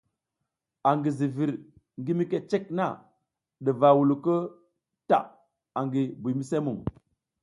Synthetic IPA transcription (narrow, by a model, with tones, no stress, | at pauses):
a˨ŋɡi˨zi˨vi˨ɾ | ŋɡi˦mi˦ke˦t͡ʃe˦kna˦˨ | ɗə˨va˨wu˨lu˨kə˦ | ta̰˨ | a˨ŋɡi˨bu˨mi˦se˦mu˨ŋ